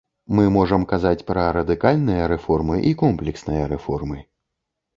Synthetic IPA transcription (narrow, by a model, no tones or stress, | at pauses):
mɨmɔʐɐmkazat͡sʲpɾɐɾɐd̪ɨkalʲnɨjɐɾɛfɔrmɨʔikɔmplʲɛksnɨjɐɾɛfɔrmɨ